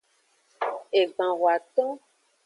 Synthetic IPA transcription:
e˨ɡ͡bã˨wwa˨t̪ɔ˦

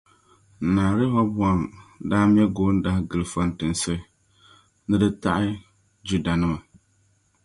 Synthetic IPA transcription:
naː˨ɾɨ˦ha˦bwa˨mdaː˦m˦ɛ˦ɡoː˨˦n̩˦da˦hɪ˦ɡɨ˨lfa˨n˨tɨ˨nsɨ˦ | nɨ˦dɨ˦ta˦ʔɪ˦ | d͡ʒu˦da˨nɨ˦ma˨

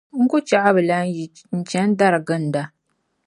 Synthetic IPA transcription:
ŋ̩˦ɡʊ˦t͡ʃa˦ʔa˦bɨ˨la˦i˨ | n̩˨t͡ʃɛ˦n̩˦da˦ɾɨ˨ɡɨ˦n̩˨da˨

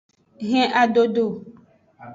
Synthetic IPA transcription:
ɣɛ̃˦ʔa˨ɖo˦ɖo˦˨

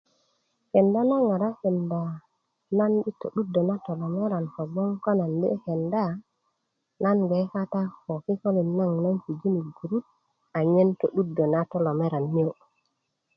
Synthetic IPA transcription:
he˨nda˦na˦ŋa˨ɾa˦he˨nda˨ | na˦nɗi˦tːo̰˨ɗu˦dːo˨na˦to˨lo˨me˦ɾa˨nko˨ɡ͡bo˦ŋko˦na˨ndḛ˦he˨nda˦˨ | na˦nɡe˨˦ka˦ta˦ho˨ki˦ko˦li˨na˦ŋna˦nki˨d͡ʒi˦ni˨ɡu˨ɾu˦t̚ | a˨ɲe˦nto˨ɗu˦dːo˨na˦to˦lo˨me˦ɾa˨nːi˦o˨

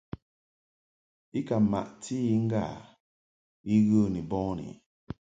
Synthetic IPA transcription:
i˦ka˨ma̰˨ʔtʰi˦i˦ŋ̩˦ɡa̰˦˨ | i˦ɣə˦ni˨bɔ̃˦nḭ˨

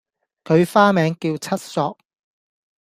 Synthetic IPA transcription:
kʰɵ˨˧ɥfaː˥mɛː˨˧ŋkiː˧wt͡sʰɐ˥t̚sɔː˧k̚

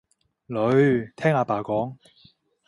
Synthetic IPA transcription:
lɵ˨˧ɥt̪ʰɛː˥ŋaː˧paː˨˩kɔː˨˥ŋ

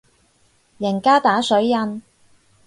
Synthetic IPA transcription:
jɐ˨˩nkaː˥t̪aː˨˥sɵ˨˥ɥjɐ˧n

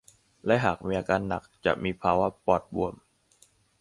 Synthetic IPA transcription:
lɛ˦˥ʔɦaː˨˩k̚miː˧ʔaː˧kaː˧nːa˨˩k̚t͡ɕa̰˨˩ʔmiː˧pʰaː˧wa˦˥pɔː˨˩t̪̚bu˨˩əm

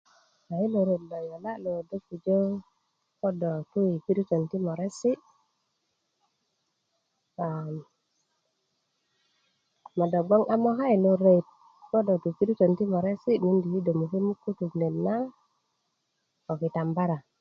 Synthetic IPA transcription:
a˨i˦lo˨ɾe˨t̚lo˨jo˨la˦lo˨do˦kːu˨d͡ʒo˦ | ko˦do˨tu˦i˨ki˦ɾi˦to˨nti˦mo˨ɾe˦si˦ | a˨m | ma˨do˨ɡ͡bo˦ŋa˦mo˦ɦa˦jlo˨ɾe˨jt̚ | ko˦do˨tu˨ki˦ɾi˦to˨nti˦mo˨ɾe˦si˦ni˦ndi˨hi˦do˨mu˨ki˦mu˦kːu˦tu˨ɡne˨nna˦ | o˨ki˨ta˨mba˦ɾa˨

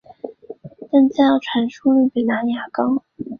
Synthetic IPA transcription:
t̪a˥˩nt͡sa˥˧jɑ˥˩ʊʈ͡ʂʰwa˧˥nʂu˥ly˥˩pe˨˩ɪna˧˥nja˨˩kɑ˥

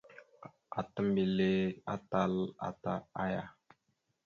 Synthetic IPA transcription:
a˨tə˦mbi˨le˦a̰˦ta˦la̰˨ta˦a˦ja˨

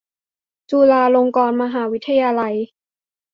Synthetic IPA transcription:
t͡ɕuː˧laː˧lo˧ŋkɔː˧nma˧ɦaː˩˦wi˦˥t̪ʰːa˧jaː˧la˧j

